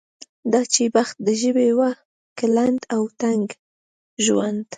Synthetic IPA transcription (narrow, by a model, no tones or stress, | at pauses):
d̪ɑt͡ʃebaxt̪̚d̪əʒəbewa | kaland̪awt̪aŋɡ | ʒwand̪